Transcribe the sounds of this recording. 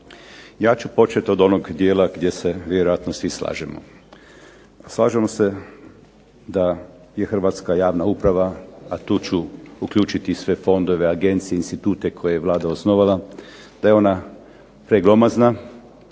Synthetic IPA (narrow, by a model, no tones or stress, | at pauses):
jaːt͡ʃupo̞t͡ʃet̪od̪o̞noɡd̪jeːlaɡd̪je̞se̞ʋjeɾo̞jat̪nosʋisla̰ːʒemo̰ | aslˠaːʒemose̞ | d̪a | jexr̩ʋat̪skajaːʋnaupɾaʋaat̪uːt͡ʃuukʎuːt͡ʃit̪isʋe̞fo̞nd̪o̞ʋeaɡe̞nt̪sijeinst̪it̪uːt̪e̞kʰo̞jejeʋlˠaːd̪aosnoʋala | d̪̥ajeo̞na | pɾeɡlo̞mazna